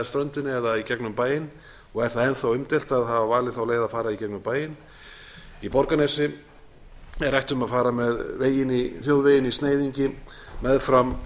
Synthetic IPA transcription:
ast̪ɾœnt̪ʏnɛðaicɛknʏmpaːjɪn | ɔɣɛɾ̥θaðɛnθawʏmt̪ɪl̥t̪aðɦavavaːlɪθawleːɣðafaːɾaicɛknʏmpaːjɪn | ipɔɾkanɛsɪ | ɛɾajht̪ʏmaðfaːɾamɛðveːjɪniθjowðvejɪnist̪neːjðiɲcɪmɛðfɾam

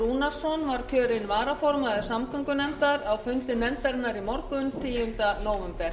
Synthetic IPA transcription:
unasɔnvaɾ̥kʰœːɾɪnvaːɾafɔɾmaðɪsamkʰʏŋkʏnɛmt̪aɾawfʏnt̪ɪnɛmt̪ɛɾt̪naɾimɔɾkʏnt̪ʰɪːjʏnt̪anoːwʏmpɛɾ̥

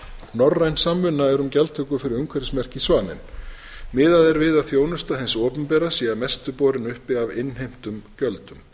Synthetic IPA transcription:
nɔrrːajnsamːʏnːaɛɾʏmcɛlt̪ʰœkʏfɪɾɪɾʏŋkʰvɛɾɪ̥smɛr̥cɪsvaːnɪ̰n | mɪːðaðɛɾvɪðaðθjoːwnʏst̪aɦɛnsɔːpʏnpɛːɾasiamɛst̪ʏpɔːɾɪnʏhpɪavɪnːhejm̥t̪ʏmcœlt̪ʏm

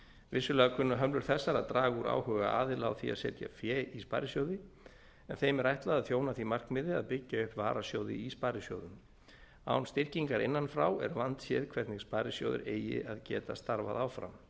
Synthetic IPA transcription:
vɪsːʏlɛːɣakʰvʏnːaɦœmlʏɾ̥θɛsːaɾaðt̪ɾaːɣuɾa̰ːwhœːɣa̰ʔa̰ːðɪlawθia̰ðsɛːt̪ja̰fjɛispaːjɾɪsjowðɪ | ɛnθejmɛɾajht̪laðaðθjownaθimar̥kmɪːðɪaðpɪcːaʏpva̰ːɾasjowðɪ̰ispaːɾɪsjo̰wðʏm | a̰wnst̪ɪr̥ciŋkaɾɪnːanfɾawɛ̰ɾvant̪sjɛːðkʰv̥ɛɾt̪nɪɣspaːɾɪsjo̰ːwðʏ̰ɾeːjɪ̰aðcɛ̰ːt̪ast̪aɾvaðaːwfɾa̰m

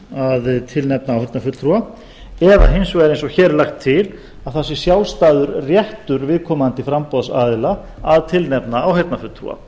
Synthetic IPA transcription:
aðt̪ʰɪlnɛp̚naːwhɛt̪nafʏt̪ʰɾua | ɛða̰ɦejnsɔɣɛɾẽjnsɔçɛɾlaxt̪ʰːɪl | aðθasːɪ̥sjaːwst̪aːðʏɾrjɛht̪ʏɾvɪðkʰɔːmant̪ɪfɾampɔðsa̰ːðɪla | aðt̪ʰɪlnɛpnaːwhɛt̪nafʏt̪ʰɾṵa̰

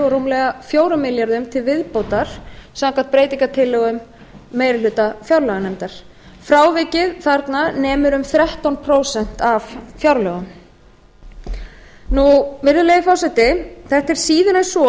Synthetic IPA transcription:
ɔɾuːmlɛɣafjoːwɾʏmɪljaɾðʏmt̪ʰɪlvɪðpowt̪aɾ̥saŋkʰan̥t̪pɾejt̪iŋkat̪ʰɪlːɛɣʏmː | eːjɾɪlʏːt̪afjawɾlœɣanɛmt̪aɾ̥ | fɾaːwvɪcɪðθaɾt̪nanɛːmʏɾʏmθɾɛht̪ɔnpʰɾoːwsɛn̥t̪avfjawɾlœɣʏm | nuvɪɾðʏleːjɪfɔwsɛht̪ɪθɛht̪ɛɾ̥siːðʏnɛsɔ

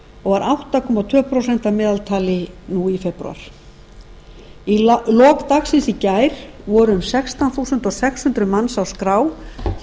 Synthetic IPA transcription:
ɔɣvaɾʔawht̪akʰɔmat̪ʰvœːpʰɾowsɛn̥t̪amɪːðalt̪ʰaːlɪnuifɛpɾṵa̰ɾ̥ | ilɔːkt̪axsɪnsicajɾ̥ | vɔːɾʏʏmsɛkst̪awnθowsʏnt̪ɔsɛkshʏnt̪ɾʏmanːsawskɾaːw

